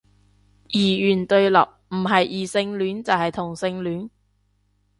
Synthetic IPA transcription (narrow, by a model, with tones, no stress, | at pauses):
jiː˨˩jyː˨˩nt̪ɵ˧ɥlɐ̰˨p̚m̩˨˩ɦɐ˨jʔiː˨˩sɪ˧ŋlyː˨˥nt͡sɐ˨whɐ˨jt̪ʰʊ˨˩ŋsɪ˧ŋlyː˨˥n